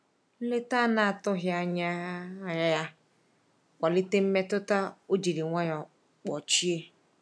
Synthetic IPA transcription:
le˦ta˦na˨a˨tʊ˦ɦja˦ɲa˦ja˦ja˦ | kʷa˨li˦te˦m̩˦me˦tʊ˦ta˦o˦d͡ʒi˨ɾi˨ŋʷa˦jɔ˨ | k͡pɔ˨t͡ʃi˦e˦

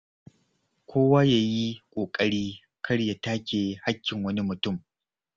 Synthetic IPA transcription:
kʷʰoː˦waː˦jaː˨ji˦kʷʼoː˨kʼɐ˦ɽiː˦ | kʰɐ˦ɽja˨taː˦kʲeː˨ha˦kʲːɪ˨ŋwɐ˦ni˦mʊ˨tʊ˦˨m

